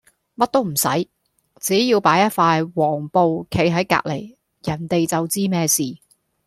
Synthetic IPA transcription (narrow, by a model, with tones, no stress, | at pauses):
mɐ˥t̚t̪o˥wm̩˨˩sɐ˨˥j | t͡siː˨˥jiː˧wpaː˨˥jɐ˥t̚faː˧jwɔː˨˩ŋpo˨˧wkʰe˨˥jɦɐ˨˥jka̰ː˧k̚le˨˩j | jɐ˨˩nt̪e˨jt͡sɐ˨wt͡siː˥mɛː˥siː˨˩